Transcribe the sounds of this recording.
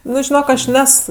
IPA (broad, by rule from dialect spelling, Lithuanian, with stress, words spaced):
ˈnʊ ʒʲɪˈnoːk ɐʃ ˈnʲɛs